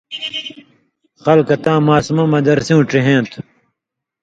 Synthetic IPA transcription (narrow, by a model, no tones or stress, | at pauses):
xɐlkɐt̪ãːmaːsmɐmɐd̪ɐɾsiũʈ͡ʂiɦẽːt̪ʰ